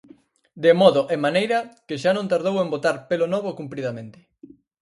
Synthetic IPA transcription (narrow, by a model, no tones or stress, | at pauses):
d̪emɔðoʔemanejɾɐkɪʃanõnt̪aɾðowembot̪aɾpelonɔβ̞okumpɾiðɐmẽnt̪ɪ̥